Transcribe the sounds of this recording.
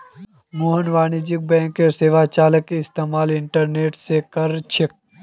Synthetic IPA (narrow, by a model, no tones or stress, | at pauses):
moːɦənʋaːñid͡ʒɪk̚bɛ̃ːŋkeɾseːʋat͡ʃaːləkːiɪst̪eːmaːlɪɳʈəɾneːʈsekɐɾt͡ʃʰɪk̚